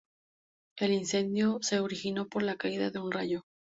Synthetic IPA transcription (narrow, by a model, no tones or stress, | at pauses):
e̞linse̞nd̪jose̞oɾixino̞po̞ɾlakaiðaðe̞unraʝo